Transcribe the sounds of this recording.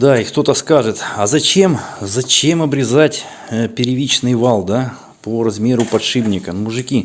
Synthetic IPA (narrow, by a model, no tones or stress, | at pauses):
d̪aixt̪o̞t̪əskaʐɨt̪ɐzɐt͡ɕe̞mzɐt͡ɕe̞mɐbɾʲɪzatʲ | pʲɪɾʲɪvʲit͡ɕnɨjvɑlˠd̪a | poɾɐzmʲe̞ɾʊpɐt̪ʂɨbnʲɪkəmʊʐɨkʲi